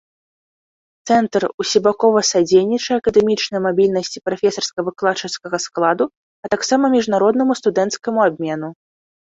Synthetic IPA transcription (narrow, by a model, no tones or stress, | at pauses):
t̪sɛnt̪rusʲibakɔvɐsad͡zʲejnʲit͡ʂɐɐkɐd̪ɛmʲit͡ʂnɐjmabʲilʲnɐsʲt͡sʲi̥pɾafʲɛsɐrskɐvɨklˠat͡ʂɨskɐɣɐsklˠad̪u | ɐt̪aksamɐmʲiʐnaɾɔd̪nɐmust̪ud̪ɛnt̪skɐmuabʲmʲɛnu